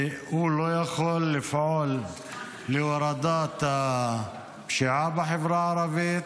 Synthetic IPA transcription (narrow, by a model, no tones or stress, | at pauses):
ulojaxolːɪfʕolː | iwɑɾˤɑd̪aːt̪ | bʃiʕaːbaħɪvɾaʕɑɾˤɑbit̪